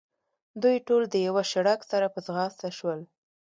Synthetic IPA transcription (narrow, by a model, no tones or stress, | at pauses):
d̪ujʈold̪əjawaʃaɽaksaɾapəzɣɑst̪aʃwəl